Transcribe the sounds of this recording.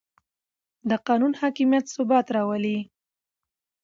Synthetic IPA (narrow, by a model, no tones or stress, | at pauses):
d̪əqɑnunhɑkimijat̪sʊbɑt̪ɾɑwəli